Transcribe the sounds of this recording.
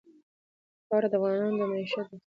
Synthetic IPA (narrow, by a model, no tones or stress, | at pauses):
pɑɾad̪əavɣɑnɑnd̪əmaiʃad̪a